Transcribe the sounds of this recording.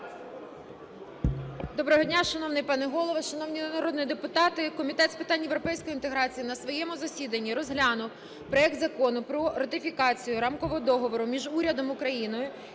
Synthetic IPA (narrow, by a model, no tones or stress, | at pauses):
d̪ɔbɾɔɦɔdʲnʲaʃɐnɔwnɪjpɑnɪɦɔlˠɔʋɐʃɐnɔwnʲiɐɾɔd̪nɪjid̪epʊt̪ɑt̪ɪkɔmʲit̪ɛt̪spɪt̪ɑnʲjewɾɔpɛjsʲkɔjint̪eɦɾɑt͡sʲijinɐsʋɔjɛmʊzɐsʲid̪ɐnʲːiɾɔzɦlʲɑnʊw | pɾɔɛk̚t̪zɐkɔnʊpɾɔɾɐt̪ɪfʲikɑt͡sʲijʊɾɑmkɔʋɔd̪ɔɦɔʋɔɾʊmʲiʒuɾʲɐd̪ɔmʊkɾɐjinɔjʊ